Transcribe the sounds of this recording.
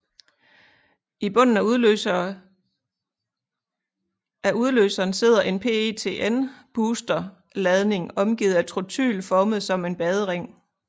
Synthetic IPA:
ib̥ɔ̽n̰n̩æ | æuð̞ˠlø̰ːsɐːnse̝ð̰ˠɐʔe̝npʰe̝̰t͡sʰe̝̰ːʔenb̥uːsd̥ɐ | lɛð̞ˠne̝ŋɒ̽mɡ̥ḭːð̩ˠæ̥t͡sʰʁot͡sʰy̰ːlfɒːməð̞̩ˠsɒ̽me̝nb̥ɛːð̞ˠəʁeŋ̰

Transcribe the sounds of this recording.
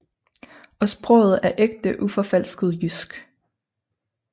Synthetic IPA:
ɒ̽sb̥ʁɔ̰ʊð̞̩ˠæɐʔeɡ̥d̥əʔufɒ̽fæl̰sɡ̥ð̞̩ˠjysɡ̥

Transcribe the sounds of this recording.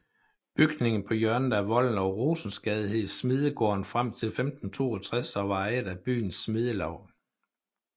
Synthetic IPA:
b̥yɡ̥ne̝ŋn̩pʰɒ̽jɶɐnn̩æʋɒ̽l̰n̩ɒʊʁo̝ːsn̩sɡ̥ɛðˠiɦe̝ð̰ˠsmið̞ˠəɡ̥ɔ̰ːɐnfʁam̰t͡sʰe̝lfemd̥n̩t͡sʰo̝̰ːɒt͡sʰʁasɒʋɑ̈eɪd̥æb̥y̰ːnsːmið̞ˠəlɒʊ̰

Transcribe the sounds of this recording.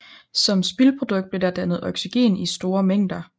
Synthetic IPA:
sɒ̽msb̥ilpʰʁo̝d̥ɔ̽ɡ̥d̥̚b̥le̝dæd̥ænð̞̩ˠɒ̽ɡ̥siɡ̥e̝̰ːnisd̥o̝ːɐmeŋ̰d̥ɐ

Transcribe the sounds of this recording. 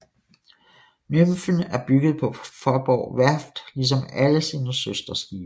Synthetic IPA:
nømfn̩æɐb̥yɡ̥əð̩ˠpʰɒ̽fɒb̥ɒʊ̰ʋæɐ̰fd̥lis̬ɒ̽mæləsiːnəsøsd̥ɐsɡ̥iːɐ

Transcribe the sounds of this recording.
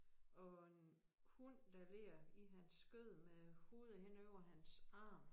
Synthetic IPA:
ɒ̽en | hund̥æle̝ɐiɦænsɡ̥øð̰ˠmeho̝ːð̞ˠəhen̰øʊ̰ɐɦænsɑ̈ːm

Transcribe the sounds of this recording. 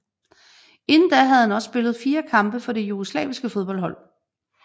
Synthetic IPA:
e̝nn̩d̥æɦæð̞̩ˠhænɒ̽sːb̥e̝lð̩ˠfiːɐkʰɑ̈mb̥əfɒ̽ɾe̝juɡ̥o̝slɛ̰ːʋisɡ̥əfo̝ð̞ˠb̥ɒ̽lɦɒ̽l̰

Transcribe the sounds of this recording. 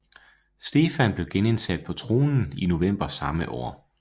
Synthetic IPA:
sd̥e̝ːfænb̥le̝ʊɡ̥ene̝nsæd̥̚pʰɒ̽t͡sʰʁo̝ːnn̩ino̝ʋem̰b̥ɐsɑ̈məʔɒ̰ː

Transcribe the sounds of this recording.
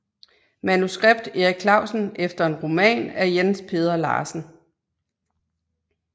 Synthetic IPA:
mænusɡ̥ʁeb̥d̥e̝ʁiɡ̥̚kʰlɑ̈ʊsn̩efd̥ɐe̝nʁo̝mɛ̰ːnæɐjenspʰe̝ːð̞ˠɐlɑ̰̈ːsn̩

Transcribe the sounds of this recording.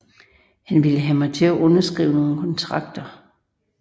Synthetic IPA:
hænʋiləɦæmɑ̈ɪt͡sʰe̝æʔɔ̽nɐsɡ̥ʁḭːʊəno̝ːn̩kʰɒ̽nt͡sʰʁɑ̈ɡ̥̚d̥ɐ

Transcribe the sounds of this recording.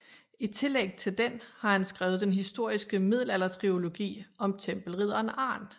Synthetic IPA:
it͡sʰe̝leɡ̥̚t͡sʰe̝ld̥enhɑ̈hænsɡ̥ʁaːʊð̞ˠd̥enɦisd̥o̝ɐ̰isɡ̥əmið̞̰ˠlælɐt͡sʰʁio̝lo̝ɡ̥ḭːɒ̽mt͡sʰemb̥l̩ʁið̞̰ˠɐːnɑ̈ːn

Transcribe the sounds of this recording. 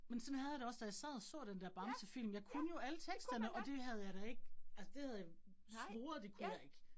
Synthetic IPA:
mensɒ̽nhæð̞ˠɑɾ̥eɒ̽sd̥æjɑ̈ɪsɛ̰ːð̞̩ˠɒsɔ̰̽ːd̥end̥æɐb̥ɑ̈msəfil̰m̩jɑ̈ɪkʰunəjo̝ælət͡sʰeɡ̥sd̥ɐnəɒ̽d̥e̝ɦæð̞ˠjɑ̈ɪd̥æe̝ɡ̥̚ælsəd̥e̝hæð̞̩ˠjɑ | ʋ̥o̝ːɐd̥e̝kʰujɑe̝ɡ̥

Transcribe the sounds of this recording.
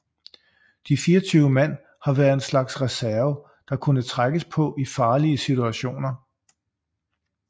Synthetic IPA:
d̥ifiːɐt͡sʰyːʊəmæn̰ | hɑ̈ʋæːɐð̩ˠe̝nslɑ̈ɡ̥sʁɛsæɐʊə | d̥ɑ̈kʰunət͡sʰʁaɡ̥əspʰɒ̽ʔifɑ̈ːliəsit͡suæɕo̝̰ːnɐ

